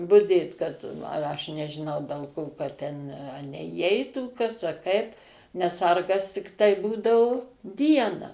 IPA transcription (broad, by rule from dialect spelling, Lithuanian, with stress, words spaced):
bʊˈdʲeːt kɐt ɐʃ nʲɛʒʲɪˈnɐʊ dʲɛlˠ ˈkoː kɐt ˈtʲɛn nʲɛiːˈɛɪtuː ˈkɐs ɐ ˈkɐɪp nʲɛs ˈsɐrɡɐs tʲɪkˈtɐɪ ˈbuːdɐʊ ˈdʲiɛnɐ